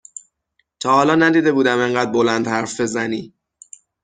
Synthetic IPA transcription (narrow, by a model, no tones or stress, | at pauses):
t̪ʰɒːhɒːlɒːnæd̪iːd̪e̞buːd̪æme̞ŋɢæːd̪̚bo̞lænd̪hæɾfbe̞zæniː